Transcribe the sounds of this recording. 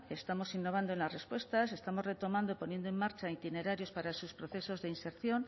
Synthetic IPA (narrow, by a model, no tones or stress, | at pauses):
e̞st̪amo̞sinːo̞β̞and̪oenlasre̞spwe̞st̪ase̞st̪amo̞zre̞t̪o̞mãnd̪oipo̞nje̞nd̪oe̞mːaɾt͡ʃait̪ine̞ɾaɾjo̞spaɾasuspɾoθe̞so̞zðeinse̞ɾθjo̞n